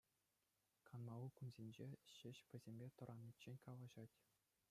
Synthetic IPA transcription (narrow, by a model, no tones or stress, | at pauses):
kʰɑnmɑlˠukunzʲenʲd͡ʑeɕɘ̆ɕpʲɘ̆zʲemʲbʲet̪ɤ̆ɾʔɑnʲːit͡ɕːenʲkɑlˠɑʑɑtʲ